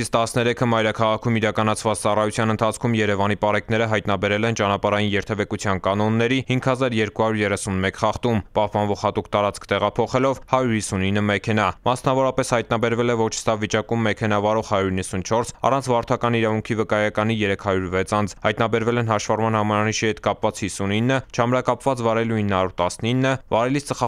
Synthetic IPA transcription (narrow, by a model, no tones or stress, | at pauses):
st̪ɑsnɛɾɛkʰəmɑjɾɑkʰɑʁɑkʰumiɾɑkɑnɑt͡sʰvɑt͡st͡sɑrɑjut͡sʰjɑnənt̪ʰɑt͡sʰkʰumjɛɾɛvɑnipɑɾɛknɛɾəɦɑjt̪nɑbɛɾɛlɛnt͡ʃɑnɑpɑɾɑjinjɛɾt̪ʰɛvɛkut͡sʰjɑnkɑnɔnːɛɾihiŋkʰhɑzɑɾjɛɾkuhɑɾuɾjɛrɛsunmɛkχɑχt̪umpɑhpɑnvɔʁhɑt̪ukt̪ɑɾɑt͡skʰt̪ɛʁɑpʰɔχɛlɔvhɑjuɾhisːuninːəmɛkʰɛnɑmɑsnɑvɔɾɑpɛshɑjt̪̚nɑbɛɾvɛlɛvɔt͡ʃʰsɑvit͡ʃɑkumːɛkʰɛnɑvɑɾɔχhɑjuɾinːəsunt͡ʃʰɔɾsɑ̰rɑnt͡sʰvɑɾt̪ʰɑkɑniɾɑvuŋkʰivəkɑjɑkɑnijɛɾɛkʰhɑɾjuɾvɛt͡sʰɑnd͡zʰhɑjt̪nɑbɛɾvɛlɛnɦɑʃvɑrmɑnhɑmɑɾɑniʃihɛt̪kɑpvɑt͡shisuninːət͡ʃʰɑmɾɑkɑpvɑt͡svɑɾɛluinːhɑɾuɾt̪ɑsninːəvɑɾɛlist͡səχɑ